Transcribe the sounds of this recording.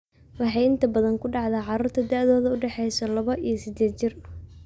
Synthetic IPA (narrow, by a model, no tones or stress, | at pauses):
wɑħɑjɪnt̪ʰɐbɐðɐŋkʰʊɖɑʕðaːʕɑɾuːrt̪ʰɐd̪ɐʕðɔːðɐʊɖɛħɛjsɔlɐβɐʔijɐsɪd̪eːd̪̚t͡ʃɪr